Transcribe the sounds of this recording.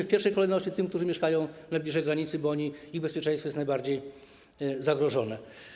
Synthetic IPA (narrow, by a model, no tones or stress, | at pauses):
fpʲjɛɾfʂɛjkɔlɛjnɔɕt͡ɕit̪ɘmkt̪uʐɘmʲɛʂkajɔ̃w̃najblʲiʐɛjɡɾaɲit̪sɘbɔɔɲiiɣbɛspʲjɛt͡ʂɛ̃j̃st̪fɔjɛt̪najbaɾd͡ʑej | zaɡɾɔʐɔnɛ